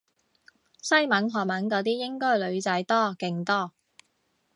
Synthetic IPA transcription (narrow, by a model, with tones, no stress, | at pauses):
sɐ˥jmɐ˨˥nɦɔː˨˩mɐ˨˥nkɔː˨˥t̪̬iː˥jɪ˥ŋkɔː˥jlɵ˨˧ɥt͡sɐ˨˥jt̪ɔː˥kɪ˨˧ŋt̪ɔː˥˩